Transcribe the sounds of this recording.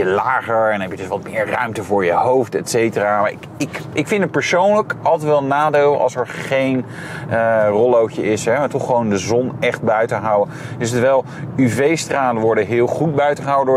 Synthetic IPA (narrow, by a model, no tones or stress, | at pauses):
əlaːχəɹɛnɛpjədɵsʋɑt̚mɪːɹrœ̰ɥmtəvʊːɹjəhowftɛtsejtəraːmaɪkɪkɪkfɪndət̚pəɹsownləkɑlˠtətʋɛlˠnaːdeːləʔɑ̰lˠsɛɹχejn | ərɔlowkəʔɪsɦɛmatɔχəʋowndəzɔnɛχt̚bœɥtənɦawə | dɵstəʋɛlˠ | yvejstraːtənʋɔɹdəɦɪːlˠχut̚bœɥtəχəɦawədʊː